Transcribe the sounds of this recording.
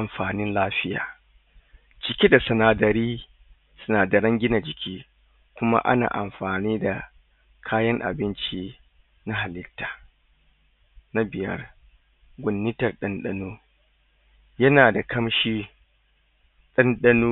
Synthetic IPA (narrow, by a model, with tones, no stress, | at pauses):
ʔa˨mɸaː˨nɪ˦nlaː˦ɸɪ˦ja̰ː˨ | t͡ʃɪ˨kʲe˦da˨sɐ˨naː˨dɐ˨ɾiː˦ | sʊ˦naː˨da˨ɾɐ˦ŋɡʲɪ˦na˨d͡ʒɪ˨kʲʰiː˦ | kʷʊ˦ma̰˦ʔa̰˦na̰ː˨ʔa̰˨mɸaː˨niː˦da˨ | kʰaː˦jɐ˦ŋʔa̰˨bɪ˦nt͡ʃi˦ | na˦ɦa˨lɪ˦tːḁː˨ | na˦bɪ˨jɐ̰˦r | ɡʷʊ˨nːɪ˦tɐ˨rɗɐ˦nɗɐ˦nuː˦ | jɐ˦naː˨da˨kʰɐ˦mʃiː˦ | ɗɐ˦nɗɐ˦nuː˦